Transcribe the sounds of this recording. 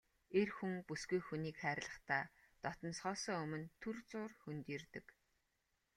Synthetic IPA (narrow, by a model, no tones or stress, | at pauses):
erxuŋpusɡujxuniːkχæːɾɮə̆χt̪ʰaːt̪ɔt̪ɞ̆nsχɔːsɔːɵmɵ̆nt̪ʰurt͡sʊːrxunt̪iːrt̪ɘ̆k